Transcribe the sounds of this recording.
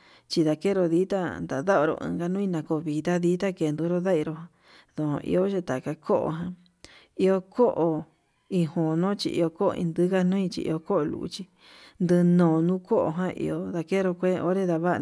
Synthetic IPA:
t͡ʃi˧ða˨ke˦ɾo˧ði˦t̪a˦nd̪a˨ða˦o˧ɾo̰˧ʔɨ̰̃˧ŋɡa˧nũ˦ĩ˧nã˧ko˧βi˨t̪a˦ðiː˦t̪a˦ke˧nd̪u˧˦ɾo˦ða˦i˧ɾo˧ɦã˧ | ðõ˨õ̰˧˨ʔḭ˧o˦ʒe˧t̪a˨ka˧kʰo˦ʔo̰˧ɦã˧ | i˧o˧kʰo˦ʔo˧ | ĩ˧hõ˨nõ˦t͡ʃḭ˧ʔḭ˧o˧ko˦o̰˧ʔḭ̃˧nd̪ɨ˦ka˦nũ˦ĩ˧t͡ʃḭ˧ʔḭ˧o˧ko˦ʔo˧˨lṵ˨ṵ˧t͡ʃi˧ | nd̪ɨ˧nõː˨nũ˦ko˦ʔo̰˧˨ɦã˦ʔḭ˧o˧ða˧ke˦ɾo˧kʷe˦˧o̰˦ɾe˦ða˧βa˦˧

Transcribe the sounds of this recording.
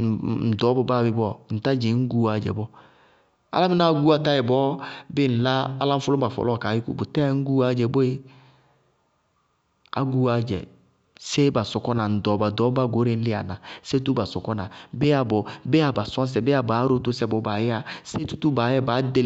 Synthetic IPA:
n̩˨dɔ˨˦bɔ˨ba˦˨bɪ˨˦bɔ˦˨n̩˨ta˦d͡ʒɪ˨˦ŋ̩˦ɡu˦a˨˦d͡ʒɛ̰˨bɔ˦ | a̰˦la˦mɪ˦na˦ɡu˦a˨˦ta˦jɛ˨bɔː˦bɪ˦˨n̩˨la˦a˦la˦m̩˦fʊ˦lʊ˦ba˨fɔ̰˨lɔ˦˨kaː˨jɪ˦kṵ˦bʊ˨tɛ˦ŋ̩˦ɡu˦a˨˦d͡ʒɛ˨bɔ˦e˦ | a̰˦ɡu˦a˨˦d͡ʒɛ̰˨ | se˦ba˨sɔ˨kɔ˦na˨n̩˨dɔ˨˦ba˨dɔ˨˦ba˦˨ɡo˨˦ɾɪ˨˦n̩˦lɪ˦a̰˨na˨se˦tu˦ba˨sɔ˨kɔ˦na˨bɛ˦a˨bɔ˨bɛ˦a˨ba˨sɔ˦s̬ɛ˨bɛ˦a˨ba˨˦ɾo˦tʊ˦sɛ˦bɔ˨˦ba˨jɛ˦a˦se˦tu̥˦tu˦ba˨˦jɛ˦˨ba˨˦de˦

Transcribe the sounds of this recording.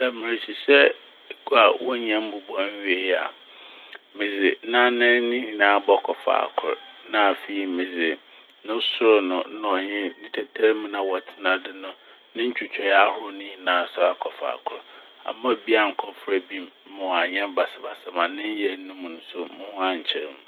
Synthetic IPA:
da˨mɪ̃˨ɾɪ˨ɕi˨ɕɛ˦ | ka˨wɔ˦ɲɛ̃˦m˦bʊ˨bɔ̃˦n˦ɥe˨˦a̰˨ | mɪ̃˨d͡zɪ˨˦nã˦nɪ̃˦nɪ̃˦ɲĩ˨nãː˨˦bɔ˦kʰɔ˨fa̰ː˨kʰʊ̰˨ɾnã˦˨fi˦i˨˦mɪ̃˨d͡zɪ˨ | nʊ̃˦sʊ˦ɾʊ˨nʊ̃˨˦nɔ˨ɲɪ̃˦nĩ˦tʰɛ˨tʰɛ˦ɾmũ˦nã˨wɔ˨tʰɪ˨˦nã˨dɪ˦nʊ̃˦ | nɪ̃˦ɲ̩˦t͡ɕᶣu˨t͡ɕʰᶣɛ˨ja˦hʊ˦ʊ˦nʊ̃˦ɲi˨nãː˨˦˨sʊ˦ɾa˦kʰɔ˨fa̰ː˨kʰʊ˨˦ɾ | a̰˨mã˦˨bi˦a˨ŋ̩˨kʰɔ˦fɾɛ˦bi˦m˦mʊ̃˨a˨ɲɛ̃˦m˦ba˨sɪ˨ba̰˨sɛ˨mã˨nɪ̃˦ɲ˦jɛ˦nʊ̃˦mũ˨n̩˦sʊ˦mʊ̃˦hʊ̃˦ã˦˨ɲ̩˨t͡ɕʰɛ˦ɾmũ˨

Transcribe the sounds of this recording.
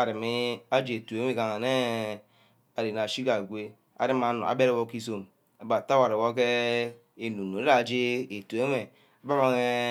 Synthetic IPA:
a˨ɾi˨me˦a˦d͡ʒe˨e˨tu˨e˦me˦˨ka˨ŋa˨ne˦ | a˨ɾe˨n˨a˨ʃi˦ka˨ɡʷe˦ | a̰˨ɾi˦ma˨˦no̰˨a̰˨˦be˦ɾe˦wo˦ki˦so˦m | a˨ba˨ta˦wa˨ɾe˨wo˦k̬e˦ | e˨nu˨no˨˦ɾa˦˨d͡ʒe˦e˨tu˨e˦me˨ | a˨ba˦ma˦ŋe˦

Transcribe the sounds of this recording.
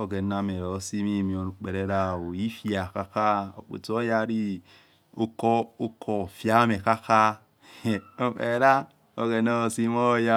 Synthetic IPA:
o˨ɡe˨na˦me˨ɾo˨si˦mi˦˨mi˨o˨nu˨k͡pe˨ɾe˦ɾa˦˨wo˨i˦fja˨ka˦ka˦o̰˨k͡pḛ˨to˦ja˦ɾi˦ | o˦ko˦o˦kʰo˨fja˦me˨ka˦ka˦˨ | o˦ḛ˨ɾa˦ | o˨ɡe˨no˦o˨si˦mo˦ja˦

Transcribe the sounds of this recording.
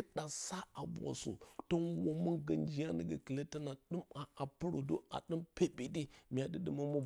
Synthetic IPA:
ɗa˨sa˦a˨bʷa̰˨sṵ˨to˦nwo˦mu˦ɡə˨nd͡ʒi˦ja˦nə˨ɡa̰˨ki˨le˦ti˦na˨ɗɨ˦ma˨ʔa˨pə˦ɾu˨do˦a̰˨ɗɨ˦mpe˦bi˨di˦mi˨a˨də˨ɗi˦ma˦mu˦

